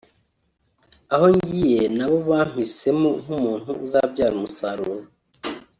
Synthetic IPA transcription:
aho̞ɲɟije̞naβo̞βaːm̥ise̞moŋ̥umuːn̥huːzabɟaːɾumusaɾuːɾa

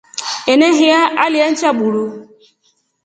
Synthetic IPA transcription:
eneɦɪaalɪan̩t͡ʃabuɾu

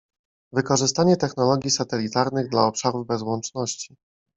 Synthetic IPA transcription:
vɘkɔʐɘst̪aɲɛt̪ɛxn̪ɔlɔɡʲjisat̪ɛlʲit̪aɾnɘɣd̪laɔpʂaɾuvbɛzwɔnt͡ʂnɔɕt͡ɕi̥

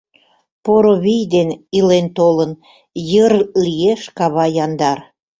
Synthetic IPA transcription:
poɾoβijd̪enilent̪olən | jərlijeʃkɑβɑjɑnd̪ɑr

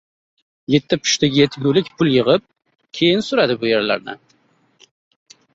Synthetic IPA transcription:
jet̪ʰːɪpʰʊ̥ʃt̪ɪɡʲɪjet̪ʰɡʲulɪkʲpʰʊlˠjɨʁɨp̚ | kʲʰe̞jɪnsʊɾad̪ɪbʊjeɾla̰ɾnɪ̰

